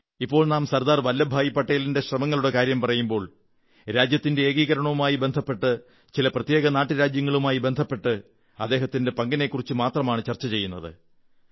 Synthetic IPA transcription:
ipːo̞ːɭnaːmsɐɾd̪aːrʋɐlːɐbʱaːjipːɐʈːɐjilinde̞ɕrɐmɐŋːɐɭuɽe̞kaːɾjɐmpɐrɐjumbo̞ːɭ | ɾaːd͡ʑjɐt̪ːinde̞eːɡiːɣɐɾɐɳɐʋumaːjibe̞nd̪ʱɐpːe̞ʈːɨ | t͡ɕilɐprɐt̪jeːɡɐnaːʈːɨɾaːd͡ʑjɐŋːɐɭumaːjibe̞nd̪ʱɐpːe̞ʈːɨ | ɐ̰d̪ːeːɦɐt̪ːinde̞pɐŋɡɐne̞kːurit͡ɕːɨmaːt̪rɐmaːɳɨt͡ɕɐrt͡ɕːɐt͡ɕe̞jːunːɐðɨ̰

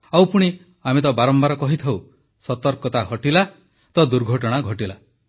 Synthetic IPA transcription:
awpuɽ̃i | amet̪̬ɔbaɾɔmbaɾɔkɔɦit̪ʰaw | sɔt̪ɔɾkɔt̪aɦɔʈila | t̪ɔd̪uɾɡʱɔʈɔɽ̃aɡʱɔʈila

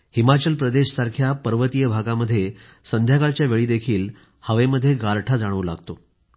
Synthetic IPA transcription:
himat͡ɕəlpɾəd̪eɕsaɾkʰjapəɾʋət̪ijəbʱaɡaməd̪ʱːje | sənd̪ʱjakalt͡ɕjaʋeɭiːd̪ekʰiːl | həʋeməd̪ʱːjeɡaɾʈʰad͡zaɽ̃əʋla̰ɡt̪o

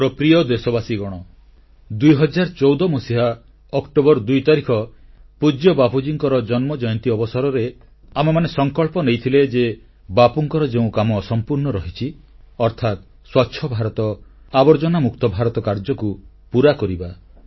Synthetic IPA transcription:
pɾɔpɾiɔd̪esɔbasiɡɔɽ̃ɔ | d̪ujɦɔd͡ʒaɾt͡ʃɔwd̪ɔmosiɦa | ɔkʈobɔɾd̪ujt̪aɾikʰɔpud͡ʒjɔbapud͡ʒiŋkɔɾɔd͡ʒɔnmɔd͡ʒɔjɔnt̪iɔbɔsaɾɔɾe | amemanesɔŋkɔɭpɔnejt̪ʰiled͡ʒe | bapuŋkɔɾɔd͡ʒeũkamɔːsɔmpuɾnɔɾɔɦit͡ʃʰi | ɔɾt̪ʰat̪̚ | swatːʃʰɔbʱaɾɔt̪ɔ | abɔɾd͡ʒɔnamukt̪ɔbʱaɾɔt̪ɔkaɾd͡ʒɔku | puɾakɔɾiba

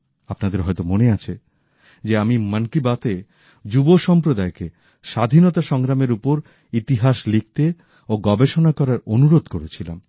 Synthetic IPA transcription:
apnad̪eɾɦɔjt̪omoneat͡ɕʰe | d͡ʑeamimankibat̪e | d͡ʑuboʃɔmpɾod̪aeke | ʃad̪ʱinɔt̪aʃɔŋɾameɾupoɾ | it̪iɦaʃlik̚t̪e | oɡɔbeʃonakɔɾaɾonuɾod̪koɾet͡ɕʰila̰m

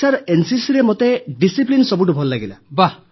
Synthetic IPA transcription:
aɾensisiɾemot̪eɖisiplinsɔbuʈ̬ubʱɔlːaɡila̰ba

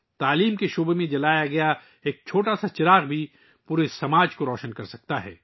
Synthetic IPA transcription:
t̪aːliːmkeʃoːbemẽd͡ʒɐlaːjaɡɐja | eːk̚t͡ʃʰoːʈasat͡ʃɪɾaːɣbʱi | puːɾesɐmaːd͡ʒkoɾɔːʃənkɐɾsɐk̚t̪aɦɛ̰ː

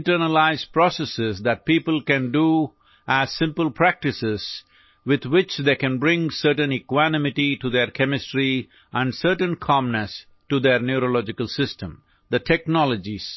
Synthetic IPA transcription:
ɪ̃ʈəɾnəlaɪzpɾɔsɛsɪzd̪æʈ̚piːpəlkæ̃nɖu | ʔæz̥sɪ̃mpəlpʰɾæk̚ʈɪsɪz̥ | wɪd̪wɪt͡ʃd̪eːkæ̃nbɾɪ̃ŋsəɾʈə̃nikwænɪmɪʈiʈud̪eɾkʰɛmɪsʈɾi | ʔæ̃nɖsəɾʈə̃nkʰɑ̃mnəs | ʈud̪eɾnjuɾolɔd͡ʒɪkəlsɪsʈə̰̃m | d̪əʈʰɛk̚nɔləd͡ʒiz̥

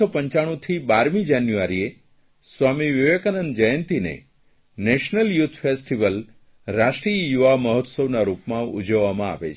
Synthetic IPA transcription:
ɔpəɲt͡ʃaɽ̃ũt̪ʰibaɾmid͡ʒanjuʋaɾie | sʋamiʋɪʋekənənd͡ʒəjənt̪inḛ | neʃnəljut̪ʰfesʈiʋəl | ɾaʃʈɾiəjuʋaməɦɔt̪səʋnaɾupmãṵd͡ʒəʋːamãa̰ʋet͡ʃʰ

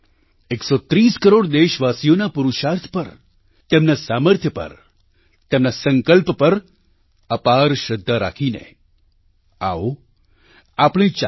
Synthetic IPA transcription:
eksot̪ɾiskəɾoɽd̪eʃʋasijonapuɾuʃaɾt̪ʰpəɾ | t̪emnasaməɾt̪ʰjəpə̰ɾ | t̪emnasəŋkəlppəɾ | əpaɾʃəd̪ʱːaɾa̰kʰinḛ | a̰o | apɽ̃ẽt͡ʃ

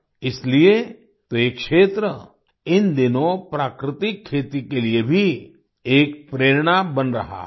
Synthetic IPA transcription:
ɪslie | t̪oeːkʃeːt̪ɾə | ɪnd̪ɪnõpɾaːkɾɪt̪ɪkʰːeːt̪ikeliebʱi | eːk̚pɾeːɾɽ̃abɐnɾɐ̰ɦa̰ː

